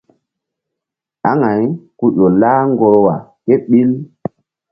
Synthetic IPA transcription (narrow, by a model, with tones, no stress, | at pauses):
a˦ŋa˨˦jku˦ɗo˨laː˦ŋɡo˨ɾwa˨ke˦ɓi˦l